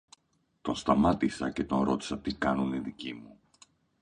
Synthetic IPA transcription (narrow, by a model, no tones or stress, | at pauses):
t̪o̞nst̪ɐmɐt̪isɐce̞t̪o̞nɾo̞t̪i̥sɐt̪ikɐnuniðicimu